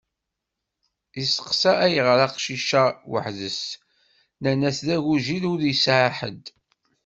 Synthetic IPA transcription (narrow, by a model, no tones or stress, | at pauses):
isə̥qsææjəʁɾɑqʃiʃæwə̰ħðəs | nænæsðæʝuʒiðʊɾjəsʕaħə̰d̪